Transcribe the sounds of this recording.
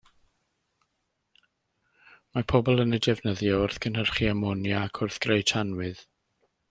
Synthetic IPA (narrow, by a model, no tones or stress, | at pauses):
mapʰɔbɔlˠənədɛvnəðjɔʊrθkʰənɦərχiamɔnjaːkʰʊrθɡ̥rejtʰanwɨð